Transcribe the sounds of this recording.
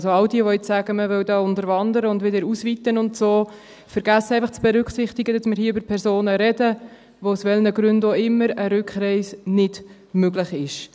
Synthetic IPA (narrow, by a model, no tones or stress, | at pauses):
soɑwdiəʋoɪt͡ssæɡəməʋœwdɑːʊntəɾvɑndəɾəʊndʋɪdəɾusvit̪ənʊntsoː | fəɾɡ̥æsːəɛɪfɑχt͡sb̥ɛɾʏkχsɪχt̪ɪɡədɑsmɪːɾhiːʏbəɾpʰɛɾsoːnəɾɛdə | ʋousʋɛlnəɡɾʉndoɪmːəɾəɾʉkχɾɛɪsnɪd̥ | møɡlɪχɪʃ